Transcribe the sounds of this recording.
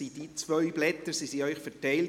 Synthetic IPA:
id̥iːt͡svœʏblɛt̪əɾsisiœʏχfɛɾtɛɪl

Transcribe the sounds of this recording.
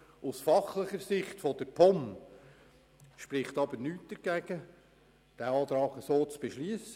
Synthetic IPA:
usfɑχlɪχəɾsɪχtfod̥əɾpʰɔm | ʃpɾɪχtɑbənyːt̚d̥əɾɡ̥æɡ̥ə | d̥æɑːt̪ɾɑːɡəsoːt͡sb̥eʃliəsə

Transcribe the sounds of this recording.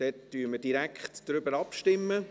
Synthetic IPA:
d̥ɛtd̥yːəməd̥iɾækχtd̥ɾʏbəɾɑpʃtɪmːə

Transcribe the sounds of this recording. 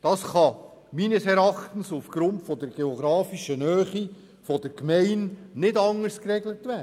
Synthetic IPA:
d̥ɑːsχɑ | miːnəsɛɾɑχtən̩sufɡ̥ɾʊntfɔdɛɾɡ̥eɔɡ̥ɾɑːfiʃənœːχi | fɔd̥əɾkmɛɪnnɪdɑŋəɾskrɛɡlətvæ

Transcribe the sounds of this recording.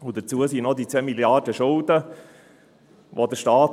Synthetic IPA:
ʊd̥ət͡suəsinɔdit͡seːmiljardəʃʊldə | ʋodəʃtɑːt

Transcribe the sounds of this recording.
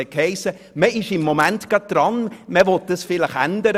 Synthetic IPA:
ɛkhɛɪsə | məɪʃɪmːomæntɡ̥ɾɑt̚d̥ɾɑnməʋɔt̚d̥əsfɪləχæ̰ndəɾə

